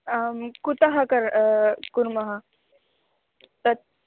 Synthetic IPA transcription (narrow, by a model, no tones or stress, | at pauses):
kut̪aɦɐkɐɾkuɾmɐɦa | t̪ɐ